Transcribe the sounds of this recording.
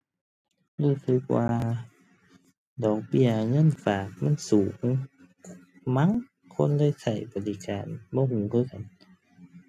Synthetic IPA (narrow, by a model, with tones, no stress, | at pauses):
ɾuː˧˩˨sʰɯ˧˦k̚waː˧ | dɔː˨˩k̚bi˧˨ɐŋɤ˧˥˨nfaː˨˩k̚ma˧˥˨nsuː˨˩˦ | ma˧˥˨ŋ | kʰo˧˥˨nlɤː˧˥˨jsa˨˩jbɔ˨li˧˨kaː˨nbɔː˧˦huː˨˦kʰɯː˧˨ka˨n